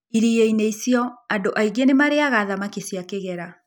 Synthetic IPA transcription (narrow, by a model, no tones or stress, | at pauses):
iɾijeineisiɔadoʔaiɡenemaɾeaɣaðamakesiakeɣɛɾa